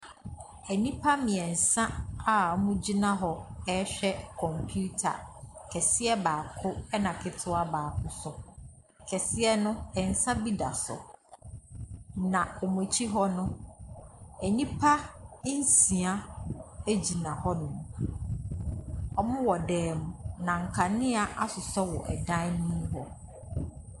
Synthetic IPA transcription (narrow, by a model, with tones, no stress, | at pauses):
æ˨nĩ˦pʰa˦mɪ̃˨ɛ˨n̩˨sã˦a˦mũ˦d͡ʑi˦nã˦ɦɔ˦ɛ˦ɕᶣɛ˦kʰɔ̃˨mpʰu˦tʰa̰˨kʰɛ˨sɪ˦ɛ˦baː˨kʰʊ˦ɛ˦nã˨kʰɪ˨tʰʊ˦a˦baː˨kʰʊ˦sɔ˨ | kʰɛ˨sɪ˦ɛ˦nʊ̃˦ɛ˨n̩˨sã˦bi˦da̰˨sʊ̰˨ | nã˨ɔ˨m˨ʊ̃˨t͡ɕʰi˦ɦɔ˦nʊ̃˦ | æ˨nĩ˦pʰa˦n̩˦sĩ˨a˦e˦d͡ʑi˨nã˨hɔ˦nʊ̃˨m˨ | ɔ˨mʊ̃˦wɔ˨dɛː˨mʊ̃˨nã˨ŋ̩˨kʰa˨nɪ̃˦a˨ʔa˦sʊ˨sɔ˦wɔ˨ʔɛ˨dã˦nĩ˦ɦɔ˦